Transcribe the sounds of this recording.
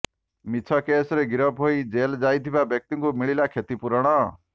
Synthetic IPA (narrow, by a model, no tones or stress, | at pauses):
mit͡sʰɔkesɾeɡiɾʌbʱɦoid͡ʒeld͡ʒajt̪ʰibabjɔk̚t̪iŋkumiɭilakʰet̪ipuɾɔɽ̃ɔ